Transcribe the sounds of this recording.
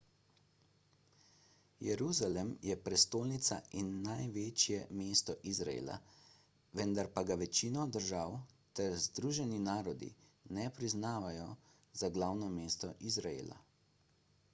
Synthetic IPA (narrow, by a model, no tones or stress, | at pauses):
jɛɾuzalɛmjɛpɾɛst̪oːlnit̪sa̰inːajʋeːt͡ʃjɛmeːst̪ɔʔizɾa̰ḛːla̰ | ʋɛnd̪aɾpaɡaʋɛt͡ʃinɔd̪əɾʒawt̪ɛɾzd̪ɾuːʒɛninaːɾɔd̪ḭnɛpɾiznaːʋajɔ | zaɡlaːwnɔmeːst̪ɔʔizɾaḛːla̰